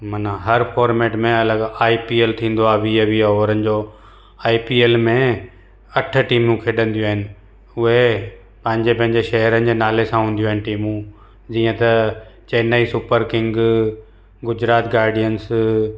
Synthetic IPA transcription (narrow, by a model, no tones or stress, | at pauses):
mɐnãɦɐɾfʰɔːɾmeːʈmẽɐləɡaːipiːeːlt̪ʰĩːn̆d̪oaːʋiːəʋiːɔːʋəɾənɪ̆d͡ʑoː | aːipiːeːlmẽ | ɐʈ̆ʰʈiːmũkʰeɗə̃nd̪ijuaːɦɪnɪ̆ | ʊɦe | pɐ̃ɦɪ̃ɲd͡ʑepɐ̃ɦɪ̃ɲd͡ʑeʃɐɦəɾənɪ̆d͡ʑeːnaːlesãɦũːn̆d̪ijuaɦɪnɪʈiːmũ | d͡ʑiːə̃t̪ɐt͡ɕeːnaːisʊpəɾkɪ̃ŋɡ | ɡʊd͡ʑɾaːt̪ɡaːɾɖijəns